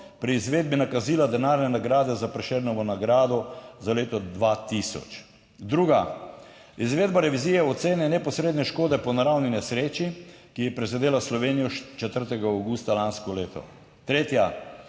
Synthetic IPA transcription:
pɾiːzʋeːd̪̚binakaziːlad̪ɛnaɾnɛnaɡɾaːd̪ɛzapɾɛʃɛɾnɔʋɔnaɡɾaːd̪ɔzaleːt̪ɔd̪ʋat̪isɔ̰t͡ʃ | d̪ɾuːɡa | izʋeːd̪baɾɛʋizijɛɔt̪seːnɛnɛpɔsɾeːd̪nɛʃkoːd̪ɛpɔnaɾawninɛsɾeːt͡ʃi | kijɛpɾɛzɛd̪eːlaslɔʋeːnijɔʃt͡ʃɛt̪əɾt̪ɛɡaawɡuːst̪alanskɔleːt̪ɔ̰ | t̪ɾeːt̪ja

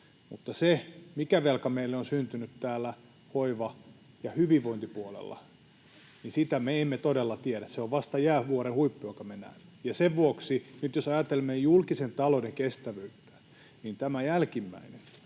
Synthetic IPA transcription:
mṵt̪ːɑsemikæʋelkɑmeilːeonsynt̪ynyt̪t̪æːlːæ | hoiʋɑ | jɑhyʋiʋʋoint̪ipuolḛlːɑ̰ | nisit̪æmeemːet̪odelːɑt̪ieɾæsseoʋʋɑst̪ɑjæːʋuoɾenhuipːujokɑmenæ̰ˑimːe̥jɑseʋʋuoksinyt̪josɑjɑt̪elemːejjulkisent̪ɑlodeŋkest̪æʋyyt̪ːæ̥ | nint̪æmæjælkimːæ̰inen

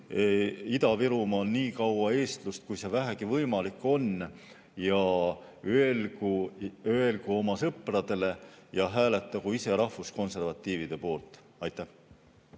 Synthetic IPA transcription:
id̪ɑviɾumɑːlniːkɑwɑe̞ːst̪lust̪̚kujse̞væɦæɡivɤjmɑlikːˑo̞n | jɑøelɡuøelɡ̥uo̞mɑsɤprɑd̪e̞le̞jɑɦæːle̞t̪ˑːɑɡuise̞ɾɑhfusko̞nse̞rvɑt̪ːˑiːvid̪̥e̞po̞ːlt̪ˑ | ɑjt̪ːˑæh

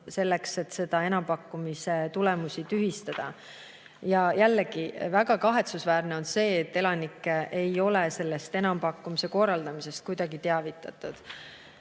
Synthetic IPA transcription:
se̞lːekse̞t̪ːse̞d̪̥ɑe̞nɑmpɑkːumise̞t̪ule̞musit̪yɦist̪ɑd̪̥ɑ | jɑjælːeɡ̥ivæɡ̥ɑkɑɦe̞t̪susvæːrneo̞nse̞ːt̪ːe̞lɑnikːeʔejo̞lese̞lːe̞st̪e̞nɑmpɑkːumise̞ko̞rɑld̪ɑmise̞st̪̚kujd̪̥ɑɡit̪eɑvit̪ːˑɑt̪ˑud̪̥

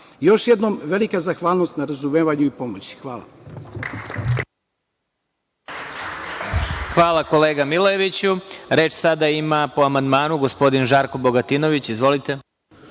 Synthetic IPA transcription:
jo̞ʃjed̪nomʋe̞likazaxʋaːlˠnost̪naɾazumeːʋaɲuipo̞mot͡ɕi̥xʋaːlˠa̰ | xʋaːlˠako̞le̞ːɡamilojeʋit͡ɕuɾe̞ːt͡ʃsad̪aimapo̞amand̪maːnuɡo̞spo̞d̪inʒaːɾko̞bo̞ɡat̪ino̞ʋit͡ɕizʋo̞lit̪e̞

